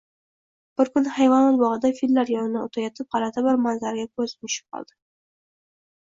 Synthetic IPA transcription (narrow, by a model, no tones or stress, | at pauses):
b̥ɪɾkʰʊnhajvɒnɒlbɒʁɨd̪afilːaɾjɒnɪnaot̪ʰajɒt̪ʰɪp̚qɑlat̪ʰabɪɾmanzaɾɡʲakʰɵzmɪʃɪ̥p̚qʰɒ̰lˠd̪ɪ̥